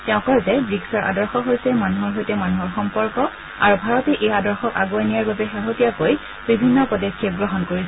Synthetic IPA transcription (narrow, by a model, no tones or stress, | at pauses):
tɛʊ̃kɔɹzɛbɹiksɔɹʔa̰dɔɹxɔɦojsɛmanuɦɔɹɦojtɛmanuɦɔɹxɔmpɔɹkɔ | aɹubʱaɹɔtɛʔejadɔɹxɔka̰ɡuanijaɹbabɛxaɦotijakoj | bibʱinːɔpɔdekʰːieɡɹɔɦɔnkoɹisɛ